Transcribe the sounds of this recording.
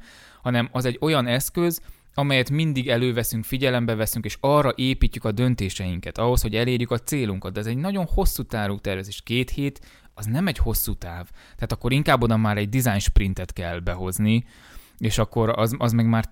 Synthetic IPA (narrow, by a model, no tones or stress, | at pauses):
hɒnɛmɒzɛɟːo̞jɒnɛskø̞z | ɒmɛjɛt̪mind̪iɡɛløːvɛsyŋkfiɟɛlɛmbɛvɛsyŋkeːʃɒrːɒʔeːpiːcːykɒd̪ø̞nt̪eːʃɛjiŋkɛt̪ɒɦo̞sho̞ɟɛleːrjykɒt̪seːluŋkɒt̪̚d̪ɛːzɛɟnɒɟo̞nho̞sːut̪aːɾuːt̪ɛrvɛzeːʃkeːt̪heːt̪ | ɒznɛmɛɟho̞sːut̪aːvt̪ɛɦaːt̪ɒkːo̞ɾiŋkaːbːo̞d̪ɒmːaːɾɛɟd̪izaːjnʃprint̪ɛt̪kɛlːbɛɦo̞zni | eːʃɒkːo̞ɾɒzɒzmɛɡmaːr